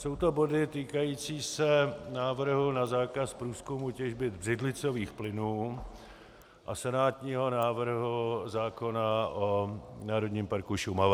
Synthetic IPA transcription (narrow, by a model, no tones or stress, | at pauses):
so̞wt̪o̞bo̞dɪt̪iːkajiːt͡siːsɛnaːvr̩ɦunazaːkaspɾuːskumucɛʒbɪd̪brɪdlɪt͡soviːxplɪnuː | ʔasɛnaːt̪ɲiːɦo̞naːvr̩ɦuzaːko̞naʔonaːɾo̞d̪ɲiːmpaɾkuʃumav